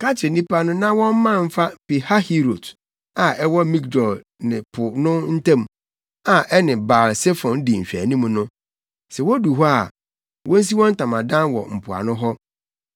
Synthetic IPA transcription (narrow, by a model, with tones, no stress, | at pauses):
ka˦t͡ɕʰɪ˨nĩ˦pʰa˦nʊ̃˦nã˦wɔ̃˦m˦mã˦m̩˦fa˦pi˨ha˦hi˦ɾo˨t | a˨ɛ˦wɔ˦mĩ˦kdɔ˨l | nɪ̃˨pʰʊ˨nʊ̃˦n̩˦tʰã˦m | a˨ʔɛ˦nɪ̃˨baː˨lsɛ˦fɔ̃˨n˦di˨ɲ̩˨ɕᶣæ̰˨nĩ˦mũ˨nʊ̃˦ | sɛ˨wɔ˦du˨ɦɔ˦a˨ | wʔɔ̃˦n̩˦s̬i˦wɔ̃˦n̩˦tã˨mã˨dã˦nwɔ̰˨m̩˨pʰʊ˨a̰˨nʊ̃˦ɦɔ˦